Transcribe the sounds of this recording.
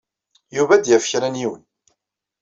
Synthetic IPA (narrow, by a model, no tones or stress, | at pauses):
juvæd̪jæfçɾænjiwən